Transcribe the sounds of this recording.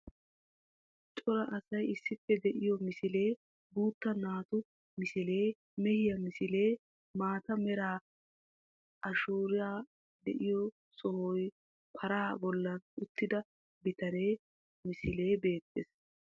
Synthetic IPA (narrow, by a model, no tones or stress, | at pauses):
t͡ʃʼɔɾɐʔɐsɐjɪsːɪpːɛd̪ɛʔɪjɔmɪsɪle̞ː | buːt̪ːɐnaːt̪ʊ | mɪsɪle̞ː | mɛhɪjɐmɪsɪle̞ː | maːt̪ɐmɛɾaː | ʔɐʃuːɾɪjaː | d̪ɛ̰ʔɪjɔ | sɔhɔj | pʰɐɾaːbɔlːɐnʊt̪ːɪd̪ɐ | bɪt̪ɐne̞ː | mɪsɪle̞ːbe̞ːt̪ːeːs